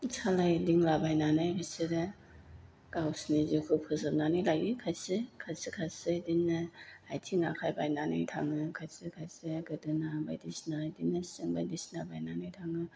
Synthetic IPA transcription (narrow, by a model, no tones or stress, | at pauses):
t͡ʃʰalajdiŋlabajnanajɾisɯɾɯ | kawsnizukʰɯpʰɯzɯp̚nanajlajikʰasɯkʰasikʰasɯdinːɯajtʰiŋakʰajbajnanɯ̰jtʰaŋɯkʰasɯkʰajsɯɡɯdɯnabajdisnajdinːasɯŋbajdisnabajnanajtʰaŋɯ